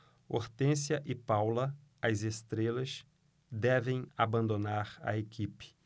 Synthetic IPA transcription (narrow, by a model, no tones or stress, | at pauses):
oɾt̪ẽsjɐʔɪpawlɐ | ɐzest̪ɾelɐs | d̪ɛvẽj̃abɐ̃nd̪onaɾɐ̰ekʰipɪ̥